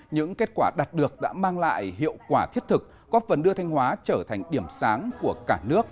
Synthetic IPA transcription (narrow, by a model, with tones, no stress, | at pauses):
ɲɨ̰˧˥ŋke˦˥t̚kwaː˧˩ɗa˨˩t̚ɗɨ˨˩ək̚ɗa̰ː˧˥maː˧ŋla̰ː˧˨jɦḭ˧˨əwkwaː˧˩t̪ʰi˦˥ət̚t̪ʰɨ˨˩k̚ | kɔ˦˥fə˨˩nɗɨ˧ət̪ʰa˧jŋ̟hwaː˨˦t͡ɕəː˧˩t̪ʰa˨˩jŋ̟ɗi˧˩əmsaː˨˦ŋku˧˩əkaː˧˩nɨ˦˥ək̚